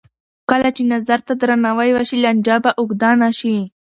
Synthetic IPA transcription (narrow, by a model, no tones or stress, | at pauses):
kəlat͡ʃenazaɾt̪ad̪ɾanawajwaʃilanʲd͡ʒɑbaʔʊɡd̪ɑnaʃi